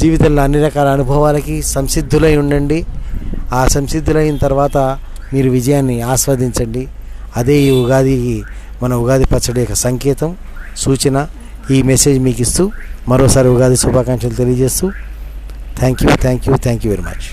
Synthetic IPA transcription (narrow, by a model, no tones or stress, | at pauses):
d͡ʒiːʋit̪ɐmlɐɐnːiɾɐkaːɾɐːnubʱɐʋaːlɐkisɐmsid̪ʱːulɐjuɳɖɐɳɖi | aːsɐmsid̪ʱːulɐjinɐt̪ɐɾʋaːt̪ɐ | miːɾuʋid͡ʒɐjaːnːiaːsʋɐd̪ʱiɲt͡ʃɐɳɖi | ɐd̪e̞ːiːuɡaːd̪ʱiki | mɐnɐuɡaːd̪ʱipɐt͡ʃːɐɽɐjɔkːɐsɐŋkɛːt̪ɐm | suːt͡ʃɐnɐ | iːmese̞ːd͡ʒmiːkist̪uːmɐɾoːsaːɾiuɡaːd̪ʱisubʱaːkɐŋʂɐnlut̪e̞lijɐd͡ʒe̞ːst̪uː | t̪ʰaːŋkjṵt̪ʰaːŋkjuːt̪ʰaːŋkjuːʋeɾimɐ̰t͡ʃ